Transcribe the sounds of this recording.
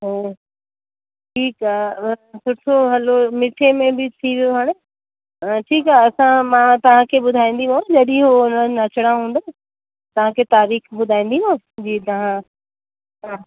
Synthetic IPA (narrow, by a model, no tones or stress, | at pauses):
ɦe | ʈʰiːkasʰʊt̪ʰoɦɐlomɪʈʰemẽbɪt̪ʰiʋijoɦaːɽ̃e | ʈʰiːkaːɐsãmãt̪ɐʋ̤ãkʰeɓʊd̪ʱaːĩːn̆d̪iɦõd͡ʑɐɗĩɦoʊnəɐt͡ɕəɽ̃ãɦũːn̆d̪o | t̪ɐʋ̤ãkʰet̪aːɾiːxɓʊd̪ʱaːĩːn̆d̪iɦõ | d͡ʑiːt̪ɐʋ̤ã | ɦaː